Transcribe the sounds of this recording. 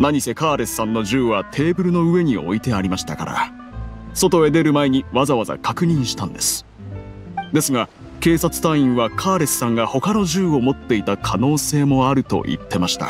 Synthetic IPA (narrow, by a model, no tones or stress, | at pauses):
naɲ̟ise̞kaːɾe̞ssãnːo̞ʑɨːβat̪ʰe̞ːbɯ̟ɾɯ̟no̞ɯ̟e̞ɲ̟io̞̰it̪e̞aɾʲimaɕi̥t̪aka̰ɾa̰ | so̞t̪o̞e̞d̪e̞ɾɯ̟mae̞ɲ̟iβazaβaza̰kakɯ̟ɲ̟ĩɰ̃ɕi̥t̪ãnd̪e̞sɨ̥ | d̪e̞sɨɡa | ke̞ːsat͡sɨ̥t̪aĩɰ̃βakʰaːɾe̞sɨ̥sãŋɡaho̞kano̞ʑɨːo̞mo̞t̪ːe̞it̪akʰano̞ːse̞ːmo̞aɾɯ̟t̪o̞̰ʔḭt̪ːe̞maɕi̥t̪a̰